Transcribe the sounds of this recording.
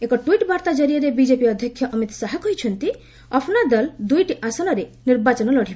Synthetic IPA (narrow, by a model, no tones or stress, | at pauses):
ekɔʈuiʈbaɾt̪ad͡ʒɔɾijɔɾebid͡ʒepiɔd̪ʱjɔkʰːjɔʔɔmit̪saɦakɦojt͡ʃʰɔnt̪i | ɔpʰnad̪ɔld̪ujʈiʔasɔnɔɾeniɾbat͡ʃɔnɔlɔɽ̤ibe